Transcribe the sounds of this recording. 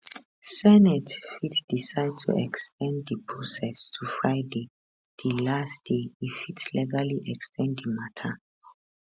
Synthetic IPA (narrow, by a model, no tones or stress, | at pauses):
sɛnɛtfitd̥isaɪd̚tʰṵʔɛkstʰɛ̃ndipʰɹɔsɛstʰufɹaɪde | d̥ilastdeifitlɛɡaliʔɛkstʰɛ̃nddimatʰə